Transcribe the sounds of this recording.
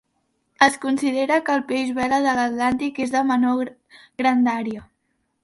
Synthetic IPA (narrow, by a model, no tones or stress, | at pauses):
əskunsiðeɾəkəːlˠpeʒβɛləðələt̪lant̪ikezðəməno | ɣɾənd̪aɾio